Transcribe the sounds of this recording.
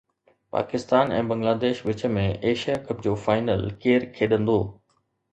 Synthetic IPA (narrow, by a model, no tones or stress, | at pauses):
pa̰ːkɪst̪aːnɛ̰̃ːbɐ̃ŋɡlaːd̪eːʃʋɪt͡ɕə̆mẽʔeːʃijakɐpd͡ʑoːfaːɪnəlkeːɾkʰeːɗə̃nd̪oː